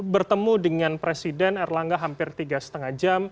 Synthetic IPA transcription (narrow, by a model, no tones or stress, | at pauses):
bərt̪əmudəŋanpɾesidɛnɛrlaŋɡaɦampɪrt̪iɡasə̥t̪əŋahd͡ʒam